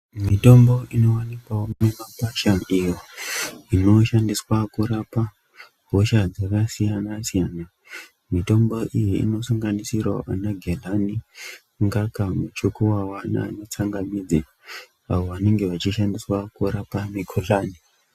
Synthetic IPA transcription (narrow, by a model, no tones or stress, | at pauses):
mito̞mbo̞ino̞wanikwawoemapaʃaijoino̞ʃandiswakuɾapa | ɦoʃad͡zakasijanasijaːna | mito̞mbo̞ʔijḭːno̞saŋɡanisirwaʔa̰naɡʱelani | ŋɡakamut͡ʃukuwawana̰ːno̞t͡saŋɡamid͡za | aʋoʋane̞ŋɡe̞ʋat͡ʃiʃandiswakuɾapamikʰolaːni